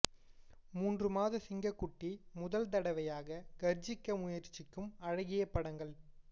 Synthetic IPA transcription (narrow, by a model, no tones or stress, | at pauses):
muːndrɯmaːðɐsɪŋɡɐkːʊʈːimʊðɐlt̪̬ɐɽɐʋɐjaːɣɐɡɐɾd͡ʒɪkːɐmʊjɐɾt͡ʃːɪkːɯmɐɻɐɣɪjɐpːɐɽɐŋɡɐɭ